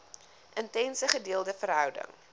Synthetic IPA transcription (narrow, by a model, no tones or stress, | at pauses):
ʔəntɛnsəχədiəlˠdəfəɾɦœwdə̰ŋ